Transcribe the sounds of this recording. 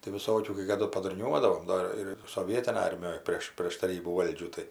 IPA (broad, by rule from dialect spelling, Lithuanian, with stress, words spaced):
tɐɪ ʋʲɪˈsoːkʲuː kɐɪ kɐˈdʊ pɐdʊrʲˈnʲuɔdɐʋoːm ˈdoː ɪr soːˈʋʲiɛtʲɪnɐj ˈɐrʲmʲɪjoːj ˈpʲrʲeːʃ pʲrʲeːʃ tɐˈrʲiːbuː ˈʋɐlʲd͡ʒʲuː ˈtɐɪ